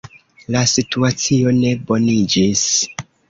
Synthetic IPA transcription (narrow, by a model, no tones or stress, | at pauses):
lasituat͡sio̞ne̞bo̞nid͡ʒis